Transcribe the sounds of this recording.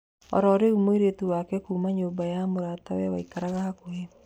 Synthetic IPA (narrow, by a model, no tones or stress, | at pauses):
ɔ̰ɾɔɾeumoiɾetuwakɛkumaɲobajamoɾatawɛwa̰ikaɾaɣahakoe